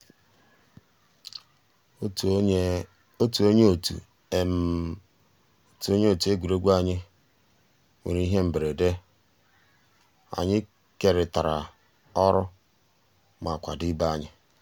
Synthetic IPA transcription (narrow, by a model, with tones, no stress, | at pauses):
o˦tu˨o˦ɲ˦˨tṵ˨ | o˦tu˨o˦ɲe˦o˨tu˨e˦ɡʷu˨ɾo˦ɡʷa˨ɲɪ˦ | ŋḛ˨ɾi˦ɦe˦m̩˨be˨ɾe˨de˦ | a̰˨ɲɪ˦ | ke˨ɾɪ˨ta˨ɾa̰˨ | ɔ˦ɾʊ˦ | ma˨kʷa˨dɪ˦ba˦ɲɪ˦